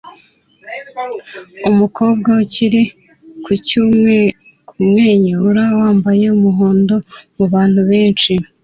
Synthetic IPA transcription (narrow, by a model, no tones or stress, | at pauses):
umukʰo̞ːbɡauciɾi | kʰucumŋe̞ | kʰuumŋe̞ːɲeuɾawaːmbaje̞umuɦoːndo̞muβaːn̥huβe̞ːnt͡ʃi